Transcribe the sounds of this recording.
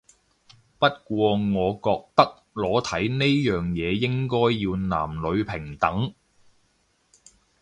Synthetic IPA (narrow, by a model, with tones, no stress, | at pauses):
pɐ˥t̚kʷɔː˧ŋɔː˨˧kɔː˧k̚t̪ɐ˥k̚ | lɔː˨˥t̪ʰɐ˨˥jne˥jjœː˨ŋjɛː˨˧jɪ˥ŋkɔː˥jːiː˧wna̰ː˨˩mlɵ˨˧ɥpʰɪ˨˩ŋt̪ɐ˨˥ŋ